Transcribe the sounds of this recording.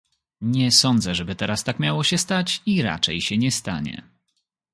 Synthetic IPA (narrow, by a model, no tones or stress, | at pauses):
ɲɛsɔnd̪zɛʐɛbɘt̪ɛɾast̪akmʲjawɔɕɛst̪at͡ɕiɾa̰t͡ʂɛjɕɛɲɛst̪a̰ɲɛ̰